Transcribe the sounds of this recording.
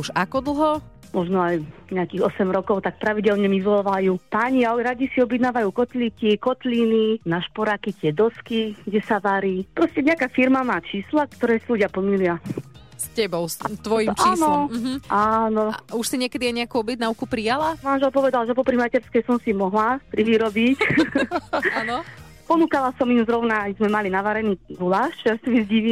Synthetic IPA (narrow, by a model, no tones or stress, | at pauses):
uʒakɔd̪l̩ˠɦɔ | mɔʒnɔajɲɛakiːɣɔsɛmɾɔkɔʊt̪ak̚pɾaʋiɟɛlɲɛmizlɔʋajuːpaɲiaɾaɟisiɔbjɛd̪naːʋajuːkɔt̪likikɔt̪lininaʃpɔɾakit̪ɪɛd̪ɔskiɡɟɛsaʋaɾiːpɾɔscɛɲɛakaːfiɾmamaːt͡ʃiːslakt̪ɔɾɛːsiluɟɪapl̩milɪascɛbɔʊsat̪ʋɔjimt͡ʃainɔɦ̩ʔanɔuʃsiɲɪɛkɛd̪iajɲɛakuːɔbɛɟnaukupɾijalamanʒɛlpɔʋɛd̪alʒɛpɔpɾimacɛɾskɛjsɔmsimɔɦlapɾiʋiɾɔbic | anɔ | pɔnuːkalasɔmimzɾɔʊnajzmɛmalinaʋaɾɛniːɡulaːʃt͡ʃɛasimizɟiʋiː